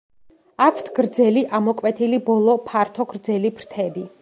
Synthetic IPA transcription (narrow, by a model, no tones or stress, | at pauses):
akʰt̪ʰɡ̥ɾd̪zɛliʔamɔkʼwɛt̪ʰilibɔlˠɔpʰaɾt̪ʰɔɡɾd̪zɛlibɾt̪ʰɛbi